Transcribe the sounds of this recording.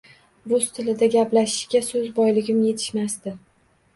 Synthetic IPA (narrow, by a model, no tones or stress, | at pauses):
bʊz̥t̪ʰɪlɪd̪aɡʲaplaʃɪ̥ʃɡʲasɵzbɒjlɪɡʲɪmje̞t̪ʰɪ̥ʃmast̪ɪ